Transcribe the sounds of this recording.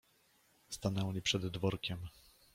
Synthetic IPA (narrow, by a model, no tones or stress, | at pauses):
st̪anɛwlʲipʂɛd̪ːvɔɾkʲɛm